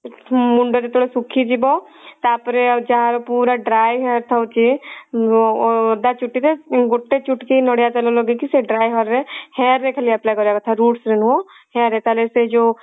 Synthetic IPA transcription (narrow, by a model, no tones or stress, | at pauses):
mʊɳɖəɾet̪ʰoːɽesukʰid͡ʒibɔ | t̪aːpɾed͡ʒaaɾopuːɾaɖɾaːjɦɛɾt̪ʰaut͡ʃi | d̪at͡ʃuʈːit̪eɡʊʈːet͡ʃʊʈkinɔɽjat͡ʃəloloɡikiseɖɾaːjɦɔɾehɛːɾːekʰəlijaplajkɔd͡ʒaɡt̪ʰaɾuːʈsɾenɦo | hɛːɾet̪alesed͡ʒo